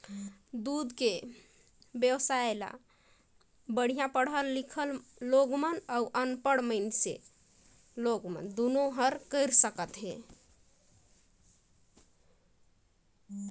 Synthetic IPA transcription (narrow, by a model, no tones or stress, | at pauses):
d̪ud̪ke | bjəwsaela̰ | bəɽ̤ijãpəɽɦəllikʰəlːoɡmənauʔənpəɽməɪnsḛ | loɡmə̰nd̪unoɦəɾkəɪɾsəkət̪ɦe